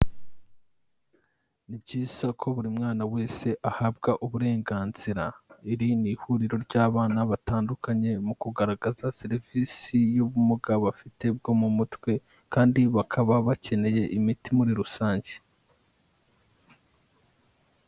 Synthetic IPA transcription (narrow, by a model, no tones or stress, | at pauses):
nibɟiːz̥akʰo̞βuɾimŋaːnawe̞ːse̞ʔahab̚ɡaʔuβuɾe̞ːŋɡaːnz̥iɾaiɾinihuɾiɾo̞ɾɟaːβaːnaβataːndukaɲe̞mukuɡaɾaɡazaseɾiviːsijuβumuɡaβafite̞b̚ɡo̞mumutwe̞ | kaːndiβakʰaβaβace̞ne̞je̞ʔimitimuɾiɾusaːɲɟe̥